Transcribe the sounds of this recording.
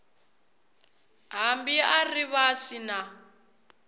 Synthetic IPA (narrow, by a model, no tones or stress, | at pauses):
ɦambiariβasina